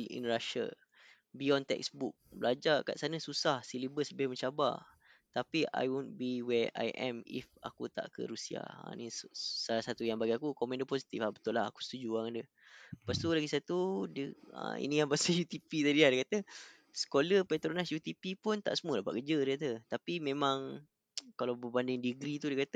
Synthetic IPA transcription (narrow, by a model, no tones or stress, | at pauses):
ʔḭnraʃa̰ | biɔnt̪ɛ̰ksbuk̚bəlad͡ʒaka̰ʔsanə̃susahsilibəsləbɪhmə̃ɲt͡ʃaba̰ | t̪apiʔa̰jwunbiwɛʔa̰jʔɛ̰mḭfa̰kut̪a̰ʔkə̰ɾusia̰ã̰nissalahsat̪ujaŋbaɡiakukomɛ̃ndəposit̪iflabət̪ʊlaɦa̰ku̥sə̥t̪ud͡ʒuaŋadə | əpast̪ulaɡisat̪udəə̰ḭnijaŋbasəjut̪ipit̪adiadiəkat̪ə | sə̥koləpet̪ɾonasjut̪ipipʊnt̪a̰ʔsəmuəlabaʔkəd͡ʒədəkat̪ət̪apimẽmãŋ | kalawbəbandɪŋdiɡɾit̪udəkat̪ə